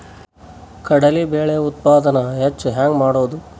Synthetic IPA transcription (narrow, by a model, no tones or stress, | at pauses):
kɐɽɐlibeːɭeut̪̚paːd̪ɐnɐɦet͡ʃːɦaːŋɡmaːɽoːd̪u